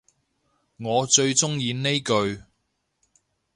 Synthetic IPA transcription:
ŋɔː˨˧t͡ʃɵ˧ɥt͡sʊ˥ŋjiː˧ne˥jkɵ˧ɥ

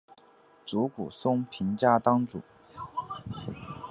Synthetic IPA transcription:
t͡su˧˥kṵ˨˩sʊ˥ŋpʰi˧˥ŋt͡ɕja˥˩t̪ɑ˥ŋʈ͡ʂṵ˨˩˦

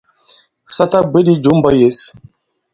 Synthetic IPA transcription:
sa˦ta˦bə˨˦di˦d͡ʒu˨˦m˦bɔ˦je˨˦s

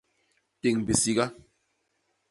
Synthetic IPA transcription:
ti˨ŋ˨bi˨si˦ɡa˦

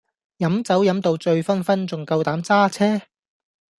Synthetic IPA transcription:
jɐ˨˥mt͡sɐ˨˥wjɐ˨˥mt̪o˨˧wt͡sɵ˧ɥfɐ˥nfɐ˥nt͡sʊ˨ŋkɐ˧wt̪aː˨˥mt͡saː˥t͡sʰɛː˥

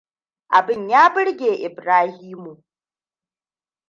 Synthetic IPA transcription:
ʔa˨bɪ˦ɲjaː˦bɪ˦ɽɡʲeː˨ʔɪ˨bɾaː˦hiː˦mu˨ʔ

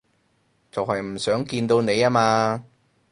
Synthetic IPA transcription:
t͡sɐ˨whɐ˨jm̩˨˩sœː˨˥ŋkiː˧nt̪o˧wne˨˧jaː˥maː˧

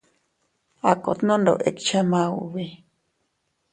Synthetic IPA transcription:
a˨ko˨t̪nõ˦ndo̰˨ʔḛ˨kt͡ʃa˦mã˧ṵ˨βi˧

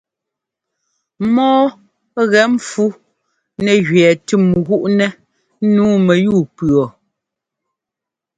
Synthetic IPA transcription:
mɔː˦ | ɣɛ˨˦m˦fu˦ | nɛ˨ɣɥɛː˨tʉ˦˨mɣu˦ʔnɛ˦ | nuː˨˦mɛ˨ju˦˨pɰɔ˨

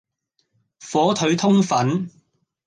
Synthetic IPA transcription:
fɔː˨˥t̪ʰɵ˨˥ɥt̪ʰʊ˥ŋfɐ˨˥n

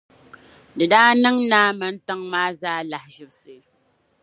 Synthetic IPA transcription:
dɨ˨daː˦nɨ˦ŋnaː˦mɨ˦n̩˦tɨ˦ŋmaː˦zaː˦la˨hʒɪ˨bsɨ˨

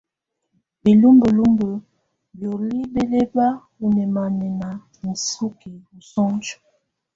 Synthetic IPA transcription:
bi˨lu˦mbə˨lu˦mbə˨ | bjo˨li˦be˦le˦ba˦ | u˨nɛ˨ma˨nɛ˨na˨ | n̩˨su˦ki˨u˨sɔ˦ŋd͡ʒu̥˨

